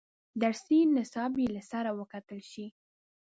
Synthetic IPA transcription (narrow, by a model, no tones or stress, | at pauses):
d̪aɾsinɪsɑbjelasaɾawəkat̪əlʃi